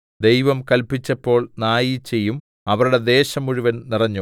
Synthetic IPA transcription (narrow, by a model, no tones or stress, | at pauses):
d̪e̞jʋɐmkɐlpit͡ɕːɐpːo̞ːɭnaːjit͡ɕe̞jːum | ɐʋɐɾuɽe̞d̪e̞ːɕɐmuɻuʋɐnnirɐɲːu